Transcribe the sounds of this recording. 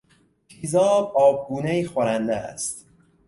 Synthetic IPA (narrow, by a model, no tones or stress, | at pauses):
kʰizɒːbɒːb̚ɡuːneiːxoɾænd̪ææ̰st̪